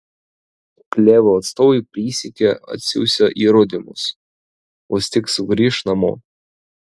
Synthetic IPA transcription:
klʲeːʋoːɐt̪st̪oːɛɪpʲɾʲiːsʲɪkʲeɐ̰t̪ʲsʲʊ̰ʊsʲoʔiːɾʊd̪ʲɪmʊ̰s | oːsʲt̪ʲɪksʊɡɾʲiːʃnɐmo̰ː

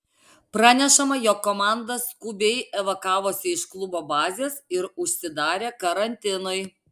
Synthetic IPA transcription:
pɾɑːnʲɛʃɐmɐjɔːkːomɑˑnd̪ɐskʊbʲeɪɛʋɐkɑːʋoːsʲɪɪʃklˠʊboːbɑːzʲeːsɪɾʊʃʲsʲɪd̪ɑːɾʲeːkɐɾɐnʲt̪ʲɪnɔɪ

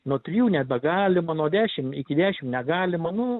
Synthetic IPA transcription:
nuɔt̪ʲɾʲɪjuːnʲɛt̪̚bʲɛɡɑːlʲɪmɐnuɔd̪ʲæːʃʲɪmɪkʲɪd̪ʲæːʃʲɪmnʲɛɡɑːlʲɪmɐnʊ

